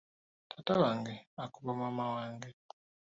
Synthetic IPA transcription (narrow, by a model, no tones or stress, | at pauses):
tʰatawaŋɡeakuβamamawaːŋɡe